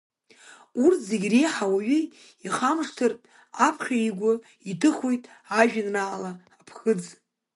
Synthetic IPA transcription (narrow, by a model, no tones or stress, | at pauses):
urtʰzeɡʲrejħawaɥi | iχamʂtʰɨrpʼ | apʰχʲaiɡʷʊ | itʰɨχojtʼ | aʒᶣɪnraʕalaː | pʰχɨd͡z